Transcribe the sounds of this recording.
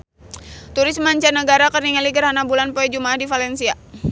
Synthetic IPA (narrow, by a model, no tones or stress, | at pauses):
t̪uɾɪsmaɲt͡ʃanəɡaɾakəriŋaliɡərɦanabulanpoɛd͡ʒumaːhdifalɛnsia